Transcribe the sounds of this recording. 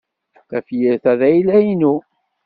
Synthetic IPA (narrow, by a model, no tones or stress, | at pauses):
θæfjəɾθæðæjilæinu